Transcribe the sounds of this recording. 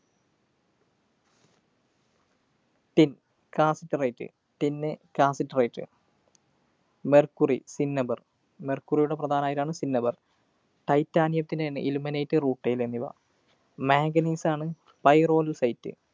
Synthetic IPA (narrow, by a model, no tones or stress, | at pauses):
t̪in | kaːsitːɨrejtːɨ̰ | t̪inːɨkaːsɐtːrɐjtːɨ̰ | merkːurḭsinːɐbɐr | merkːurijuɽe̞prɐd̪ʱaːnɐaːjiɾaːɳɨsinːɐbɐr | ʈɐjtːaːnjɐmt̪ːinden̰ʔiluminejtːɨruːʈːɐjilenːiʋɐ̰ | meːɡɐniːsaːɳɨ | pɐjro̞ːlsɐjtːɨ̰